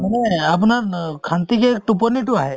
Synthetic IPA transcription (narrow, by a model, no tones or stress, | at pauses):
manɛapunaɹkʰant̪ikɛtup̬ɔnit̬ʊaɦɛ